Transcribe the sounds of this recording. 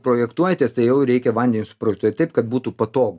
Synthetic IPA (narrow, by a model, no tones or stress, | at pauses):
pɾoːjɛkt̪uɔjɛt̪ʲeːst̪ɐɪjɛʊɾʲɛɪkʲɛʋɐnʲd̪ʲɛnʲɪsʊ̥pɾoːjɛkt̪uɔtʲt̪ɐɪpkɐt̪̚buːt̪upɐt̪oːɡ